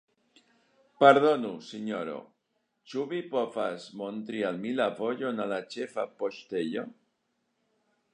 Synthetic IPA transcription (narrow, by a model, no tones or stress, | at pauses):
paɾðonuseɲoɾo̰ | t͡ʃuβipofasmont̪ɾialmilapoʎonalat͡ʃefapoʃt̪eʎo